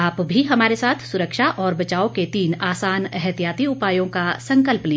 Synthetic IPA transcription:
aːpbʱiɦɐmaːɾesaːt̪ʰsʊɾəkʃaʔɔːɾbɐt͡ʃaːoket̪iːnaːsaːnɛɦɛt̪ijaːt̪iʊpaːjõkasɐ̃ŋkəlplẽː

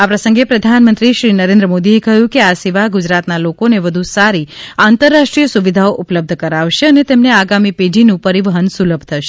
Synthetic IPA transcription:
apɾəsə̃ŋɡepɾəd̪ʱanmənt̪ɾiʃɾinəɾẽnd̪ɾəmod̪iekəɦjũkeasiʋaɦɡud͡ʒɾat̪nalokoneʋəd̪ʱusaɾiant̪əɾːaʃʈɾijəsuʋid̪ʱaoʔʊpləb̚d̪ʱəkəɾaʋʃeənet̪emneaɡamiped͡ʒʱinũpəɾiʋəɦənsuləbʱt̪ʰəʃe̥

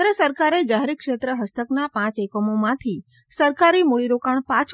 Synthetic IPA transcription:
ɾəsəɾkaɾed͡ʒaɦeɾikʂet̪ɾəɦəst̪əknapãt͡ʃekomomãt̪ʰi | səɾkaɾimoɭiɾokaɳpãt͡ʃʰ

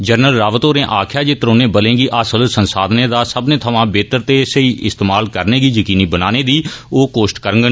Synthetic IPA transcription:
d͡ʒəɾnəlɾaːʋət̪oːɾẽːʔaːkʰjaːd͡ʒeːt̪əɾoːnẽːbəlẽːɡiːʔasəlsənsaːd̪nẽːd̪aːsəbnẽːt̪ʰəʋãːbeːt̪əɾt̪eːseiːʔɪst̪eːmaːlkəɾneːɡiːjəkiːniːbənaːneːd̪iːoːkoːsʈkəɾəɡə

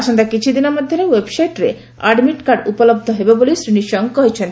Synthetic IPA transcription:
aʃond̪akit͡ɕʰud̪ineɾmɔd̪ʱːonewebsajʈɾḛ | aɖmiʈkaɾɖupolob̚d̪ʱoɦebebolesɾiniʃɔŋɡkoɦet͡ɕʰen

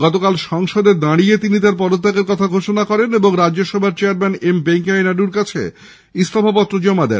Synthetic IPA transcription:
ɡɔt̪okalʃɔŋʃod̪eɾd̪aɽiet̪init̪aɾpɔɾot̪ːakeɾkɔt̪ʰaɡʱoʃonakɔɾeneboŋɾad͡ʑːoʃɔbʱaɾt͡ɕeaɾmɛnembeŋkajnaɖuɾkat͡ɕʰḛ | ist̪obʱapɔt̪ːɾod͡ʑɔmːad̪ḛɾ

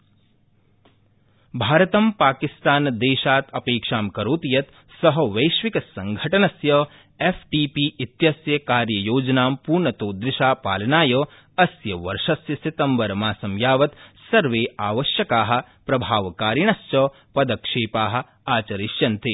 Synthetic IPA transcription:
bʱaːɾɐt̪ɐmpaːkist̪aːnd̪eːʃaːt̪ʰɐpeːkʂaːmkɐɾoːt̪ijɐt̪ | sɐɦɐʋɐjʃʋikɐsɐŋɡʱɐʈɐnɐsjɐ | efʰʈiːpiːit̪jɐsjɐkaːɾjɐjoːd͡ʒɐnaːmpuːɾɳɐt̪oːd̪ɾɪʃaːpaːlɐnaːjɐː | ɐsjɐʋɐ̰ɾʂɐsjɐsit̪ɐmbɐɾmaːsɐmjaːʋɐt̪sɐɾʋeːʔaːʋɐʃjɐkaːɦɐ̆ | pɾɐbʱaːʋɐkaːɾjɐɳ̃ɐst͡ʃɐ | pɐd̪ɐkʂeːpaːɦɐ̆ | aːt͡ʃɐɾiʃjɐnt̪i

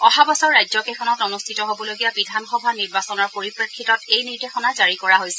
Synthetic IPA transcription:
ɔxabɔsɔɹːajzɔkɛxʰɔnɔtɔnustʰitɔɦobɔloɡijabidʱanxɔbʱaniɹbasɔnɔɹpoɹipɹekʰːitɔtejniɹdexɔnazaɹikɔɹaɦojsɛ

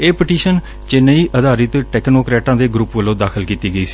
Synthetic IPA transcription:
eːpɪʈiːʃən | t͡ʃɪnəiːʔəd̪aːɾɪt̪ʈɛːknoːkɾɛːʈãːd̪eːɡɾuːpʋəlõːd̪aːkʰəlkiːt̪iːɡəiːsi̥ː

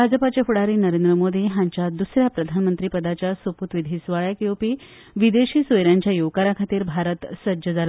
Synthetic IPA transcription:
bʱad͡zəpat͡ɕefuɽaɾiːnəɾend̪ɾəmod̪ʱiːɦãɲt͡ɕjad̪usɾjapɾəd̪ʱanmənt̪ɾiːpəd̪at͡ɕjasʋəput̪ʋid̪ʱiːsʋaɭjakiopiː | ʋid̪eɕiːsʋəjɾjaɲt͡ɕjajoʋkaɾakʰat̪iːɾbʱaɾət̪səd͡ʑəd͡zala

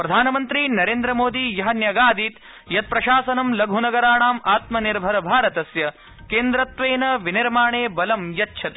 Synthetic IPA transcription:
pɾɐd̪ʱaːnɐmɐnt̪ɾinɐɾeːnd̪ɾɐmoːd̪ijɐɦɐnjɐɡaːd̪iːt̪ | jɐt̪̚pɾɐʃaːsɐnɐmlɐɡʱunɐɡɐɾaːɳaːmaːt̪mɐniɾbʱɐɾɐbʱaːɾɐt̪ɐsjɐ | keːnd̪ɾɐt̪ʋeːnɐʋiniɾmaːɳeːbɐlɐmjɐtːt͡ʃʰɐt̪e

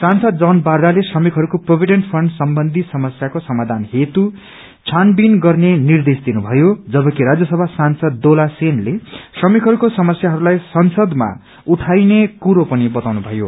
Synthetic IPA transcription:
sansʌd̪d͡zʌnbard̪alesrʌmikʰɦʌɾukoprobʱiɖeɳʈpʰrʌɳɖsʌmbʌnd̪ʱisʌmʌsjakosʌmad̪ʱanɦet̪u | t͡sʰanbinɡʌrnenird̪esd̪inubʱʌjod͡zʌbʌkiɾad͡zjʌsʌbʱasansʌd̪ːolasenlesrʌmikɦʌɾukosʌmʌsjaɦʌɾulajsʌnsʌd̪ma̰ | uʈʰajnekuɾopʌnibʌt̪awnubʱʌjo̰

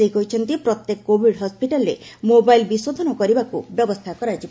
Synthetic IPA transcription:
ejkɔjt͡ʃʰɔnt̪ipɾɔt̪jekkːobʱiɖɦɔspiʈalɾḛmobajlbisod̪ʱɔnɔkɔɾibakubjɔbɔst̪ʰakɔɾad͡ʒi

